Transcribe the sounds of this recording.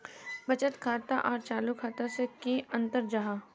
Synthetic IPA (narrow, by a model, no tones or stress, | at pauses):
bɐt͡ʃət̪kʰaːt̪aʔɔːɾt͡ʃaːlukʰaːt̪asekiɐ̃nt̪əɾd͡ʒaɦaː